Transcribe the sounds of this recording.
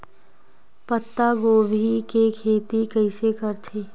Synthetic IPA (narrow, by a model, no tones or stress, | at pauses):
pət̪ːaɡoːbʱikekʰeːt̪ikəɪsekəɾt̪ʰeː